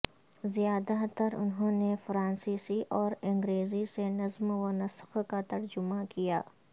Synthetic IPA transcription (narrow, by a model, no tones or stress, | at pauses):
zijaːd̪at̪ɐɾʊ̰nɦõːnefɾãːnsiːsiʔɔːɾɐ̃ŋɡɾeːzisenɐzmwɐnɐsxkat̪ɐɾd͡ʒʊmakijaː